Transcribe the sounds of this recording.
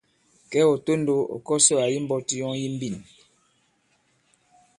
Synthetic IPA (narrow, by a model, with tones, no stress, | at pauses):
kɛ˦ɔ˨to˦n˦do˦ɔ̰˨kɔ˦sɔ˦a˨ji˦m̩˦bɔ˦ti˦jɔ˦ŋji˦m̩˦bi˦˨n